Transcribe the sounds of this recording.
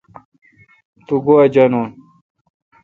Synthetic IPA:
t̪uɡoɐd͡ʑɐnoːn

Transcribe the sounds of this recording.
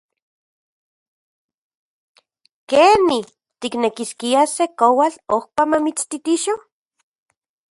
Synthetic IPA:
keni | t̪iknekiskiasekowalohpamamit͡st̪it̪iʃo

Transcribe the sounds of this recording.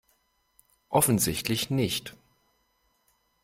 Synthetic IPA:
ʔɔfn̩zɪçtʰlɪçnɪçt

